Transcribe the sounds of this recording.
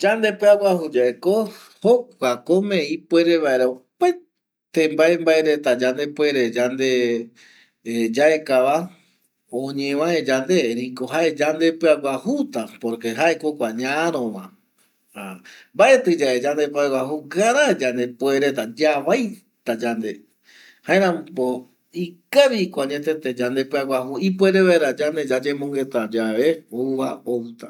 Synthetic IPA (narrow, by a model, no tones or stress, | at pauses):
d͡ʒand̪epɨaɡʷwahud͡ʒaeko̞ | hokʷakõmẽĩpwe̞ɾe̞βaeɾaopaj | t̪ẽmbaembaeɾe̞t̪ad͡ʒand̪e̞pwe̞ɾe̞d͡ʒand̪e̞ | d͡ʒae̞kaβa | õɲẽw̃ãed͡ʒand̪e̞ɾiko̞ɦae̞d͡ʒand̪e̞pɨaɡʷahut̪apoɾke̞ɦaekokʷaɲãɾõmã̰ | hambaʔe̞t̪ɨd͡ʒaed͡ʒand̪epwaɡʷwaɦuɡaɾad͡ʒand̪e̞pweɾet̪ad͡ʒaβaj | t̪ad͡ʒand̪e | haẽɾ̃ãmpo | ikaβikʷaɲẽt̪et̪ed͡ʒand̪epɨaɡaɦuipweɾeβeɾad͡ʒand̪e̞d͡ʒad͡ʒẽmõŋɡe̞t̪ad͡ʒaβeouβaowt̪a